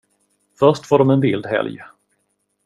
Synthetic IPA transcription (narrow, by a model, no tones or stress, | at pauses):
fœʂʈfoːɖɔmɛnvɪld̪ɦɛ̰lj